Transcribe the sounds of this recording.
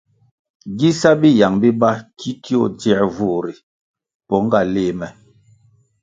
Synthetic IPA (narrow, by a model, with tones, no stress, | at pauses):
ɡi˦sa˦bi˦ja˨ŋbi˦ba˦ki˦ki˦ɔ˦˨dɛ˨vu˦˨ɾi˨ | pɔ˨˦ŋ˦ɡa˦˨leː˦˨mɛ˨